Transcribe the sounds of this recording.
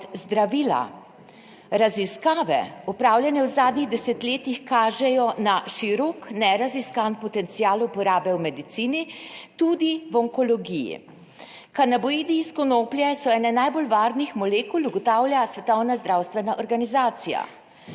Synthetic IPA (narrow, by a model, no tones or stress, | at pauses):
zd̪ɾaʋiːla̰ | ɾaziskaːʋɛ̰upɾaːwlʲjɛnɛwzaːd̪niɣd̪ɛsɛt̪leːt̪ixkaːʒɛjɔnaʃiɾɔknɛɾaziskanpɔt̪ɛnt̪sijaːlupɔɾaːbɛwmɛd̪it̪siːnit̪uːd̪iwɔŋkɔlɔɡijḭ | kanabɔiːd̪iskɔnoːplʲjɛsɔɛːnɛnajbolʋaːɾnixmɔleːkuluɡɔt̪aːwljasʋɛt̪ɔwnazd̪ɾaːwst̪ʋɛnaʔɔɾɡanizaːt̪sija̰